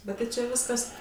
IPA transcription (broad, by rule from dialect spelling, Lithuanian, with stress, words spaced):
ˈbʲɛt tɐɪ t͡ʃʲɛ ˈʋʲɪskɐs